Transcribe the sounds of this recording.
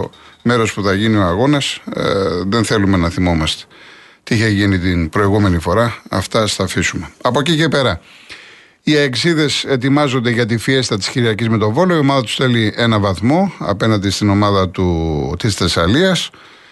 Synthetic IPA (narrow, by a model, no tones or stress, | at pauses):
me̞ɾo̞spuθɐʝinio̞ɐɣo̞nɐs | ðenθe̞lume̞nɐθimo̞mɐst̪e̥ | t̪iiçeʝinit̪inbɾo̞iɣume̞nifo̞ɾɐɐ̰ft̪ɐst̪ɐfisume̞ɐpo̞cice̞pe̞ɾɐ | iɐeksiðe̞se̞t̪̬imɐzond̪e̞ʝɐt̪ifie̞sit̪ɐt̪i̥sçiɾiɐcizme̞t̪o̞vo̞lo̞io̞mɐðɐt̪u̥sθe̞lie̞nɐvɐθmo̞ɐ̰pe̞nɐnd̪ist̪ino̞mɐðɐt̪ut̪isθesɐliɐs